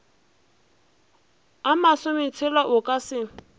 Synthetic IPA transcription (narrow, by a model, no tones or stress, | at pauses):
amasʊmɪt͡sʰɪlaʔʊkʼasɪ